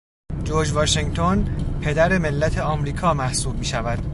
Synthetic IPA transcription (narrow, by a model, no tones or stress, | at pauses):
d͡ʒoɾd͡ʒvɒːʃeŋɡt̪ʰonpʰe̞d̪æɾe̞me̞lːæt̪ʰe̞ɒmɾiːkʰɒːmæhsuːb̚miːʃævæd̪̥